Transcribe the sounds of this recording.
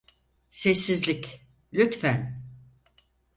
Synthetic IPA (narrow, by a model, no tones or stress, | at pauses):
sɛsːizlʲic | lʲyt̪fæn